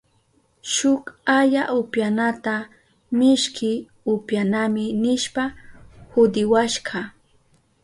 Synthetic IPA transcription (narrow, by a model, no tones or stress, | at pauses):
ʃʊkaʎaʔʊpjanat̪a | mɪʃkʰɪ | ʊpjanamɪnɪʃpahʊd̪ɪwaʃɢɑ